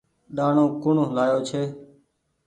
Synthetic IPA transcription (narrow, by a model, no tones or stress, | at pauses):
ɗaːɳõːkʊɳɦlaːjoːt͡ʃʰeː